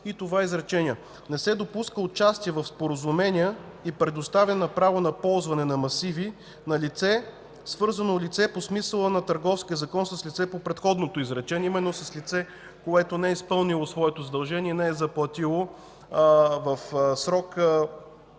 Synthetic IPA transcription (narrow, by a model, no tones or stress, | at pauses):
it̪ovaizɾɛt͡ʃɛniə | nɛsɛd̪opuskəot͡ʃast̪iɛvɐfspoɾəzʊmɛniə | ipɾɛd̪ost̪avʲənnɐpɾavonɐpɔlˠzvɐnɛnɐmɐsivi | nɐlit̪sɛ | svɤɾzɐnolʲit̪sɛposmisəlˠənɐt̪ɐɾɡɔfskʲiəzɐkɔnsəslʲit̪sɛpopɾɛt̪xɔd̪not̪oizɾɛt͡ʃɛnʲɛimɛnːosɐslit̪sɛ | koɛt̪onɛispɤlˠnilˠosvɔɛt̪ozɐd̪ɐlˠʒɛniɛnɛɛzɐplˠɐt̪ilˠo | vəfsɾɔkə